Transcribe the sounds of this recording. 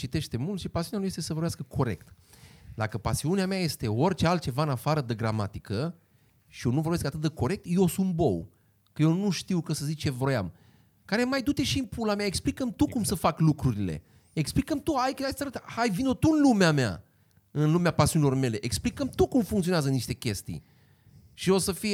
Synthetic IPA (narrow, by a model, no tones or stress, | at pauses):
t͡ʃit̪e̞ʃt̪e̞mult̪ʃipasiunjamujest̪esəvorbjaskəkʰo̞ɾe̞̰k̚t̪ | d̪akəpasiuneamaje̞st̪e̞o̞rʲt͡ʃealt̪t͡ʃe̞vaɨnafaɾəd̪eɡɾamat̪ikə | ʃijo̞nuvorbe̞s̬kat̪ɨt̪d̪eko̞ɾe̞k̚t̪jeosumbo̞̰w | kəjewnuʃt̪iwkəsəzik̚t͡ʃe̞vo̞ja̰m | kaɾe̞majd̪ut͡ʃ̪e̞ʃimpulameaeksplikəmt̪ukumsəfaklukɾuɾile̞̰ | eksplikəmt̪uajkəasaɾət̪hajvino̞t̪uɨnlumeamea̰ | ɨnlumeapasiunilo̞rme̞le̞ʔeksplikəmt̪ukumfuŋk̪t̪sioneazəniʃt̪e̞kʲe̞st̪ḭj | ʃio̞səfi